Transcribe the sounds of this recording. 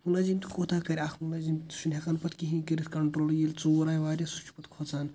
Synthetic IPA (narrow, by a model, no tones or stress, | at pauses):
mulaːd͡ʒimt̪ukoːt̪ʰaːkɐɾʲaxʰmulaːd͡ʒimt̪u̥ʃʰunʲɦɐkɐnpɐt̪kiɦĩkɐɾit̪ʰkɐɳʈɾoːljiːlt͡soːɾaːjʋaːɾʲjasu̥t͡ʃʰu̥pɐt̪kʰot͡saːn